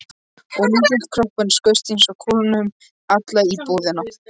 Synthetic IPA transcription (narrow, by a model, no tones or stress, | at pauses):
ɔɣmɪt̪ɪlt̪kʰɾɔhpʏnskœɥst̪insɔkʰɔlanʏm | at̪laipoːðɪna